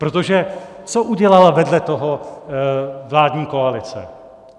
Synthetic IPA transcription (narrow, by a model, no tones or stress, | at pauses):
pɾot̪o̞ʒɛt͡soʔuɟɛlalavɛdlɛt̪o̞ɦo̞ | vlaːdɲiːko̞alɪt͡sɛ̰